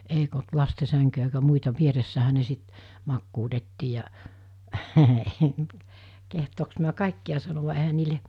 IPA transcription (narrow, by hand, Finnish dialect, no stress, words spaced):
eik olt lɑste sæŋkyjæ eikæ muitɑ ʋieresːæhæ ne sit mɑkːuːtetːiː jɑ kehtoːks miæ kɑˑikːiɑ sɑnoʋɑ ehæn̆ niːle